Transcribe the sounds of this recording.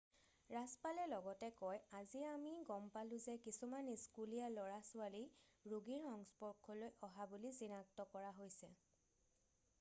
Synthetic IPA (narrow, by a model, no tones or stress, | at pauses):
ɹaspalɛlɔɡɔtɛkɔjaziamiɡɔmpalʊ̃zɛkisumaniskulijalɔɹasʊaliɹuɡiɹxɔŋspɔɹkʰːɔlojʔɔɦabulizinak̚tɔkɔɹaɦojsɛ